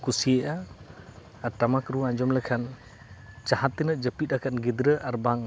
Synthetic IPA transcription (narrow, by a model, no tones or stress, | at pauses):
kusieʔa | aʈamakɾuãɲd͡ʒɔmləkʰan | t͡ʃahat̪ːinəʔ̚d͡ʒəpit̪̚akʰanɡid̪ɾəʔaɾbaŋ